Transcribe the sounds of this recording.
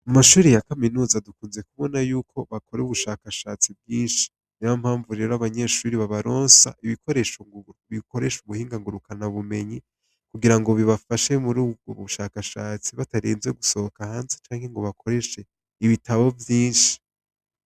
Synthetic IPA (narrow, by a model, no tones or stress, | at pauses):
mumaʃuːɾejakaminuːzadukuːnzekuβo̞najuːkʰo̞βako̞ɾeuβuʃaːkaʃaːt͡sib̚ɡiːnʃi̥ | niβam̥haːɱvuɾeɾoaβaɲe̞ʃuːɾiβaβaɾo̞ːnsa̰ʔiβiko̞ɾe̞ʃoŋβiko̞ɾe̞ʃuβuhiːŋɡaŋɡuɾukanaβume̞ɲi | kuɡiɾaŋɡo̞βiβafaʃe̞muɾuːb̚ɡo̰βuuʃaːkaʃaːt͡siβataɾiːnzwe̞ɡuso̞hokahaːnzet͡ʃaːŋhe̞ŋɡo̞βakʰo̞ɾe̞ʃe̞ | iβitaβo̞vjiːnʃi̥